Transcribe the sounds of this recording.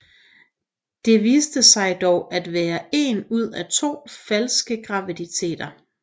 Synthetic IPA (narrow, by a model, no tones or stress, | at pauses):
d̥e̝ʋiːsd̥əsɑ̈ɪd̥ɒʊʔæd̥ʋæːɐe̝nuð̞̰ˠæt͡sʰo̝̰ːfælsɡ̥əɡ̥ʁɑ̈ʋid̥it͡sʰe̝̰ːd̥ɐ